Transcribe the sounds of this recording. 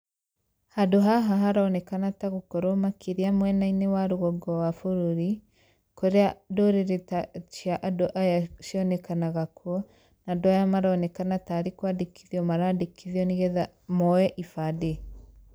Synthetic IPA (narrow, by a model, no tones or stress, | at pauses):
hadoɦaɦaɦaɾaɔnɛkanataɣokɔɾomakʰiɾiamwɛnainewaɾoɣɔɡɔwafoɾuɾi | koɾeadoɾeɾetat͡ʃiaʔadoʔajaʃiɔnɛkanaɣakwɔ | nadoajamaɾaɔnɛkanataɾekwadekʰiðiɔmaɾadekʰiðiɔniɣɛða | mɔɛʔifade